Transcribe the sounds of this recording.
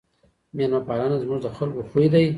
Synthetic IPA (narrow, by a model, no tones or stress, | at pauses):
manmapɑlanazmuʐd̪əxalkoxujd̪aj